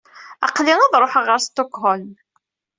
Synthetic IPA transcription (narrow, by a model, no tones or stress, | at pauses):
ɑ̰qliŋɑðˤɾˤoħəʁəɾst̪okhol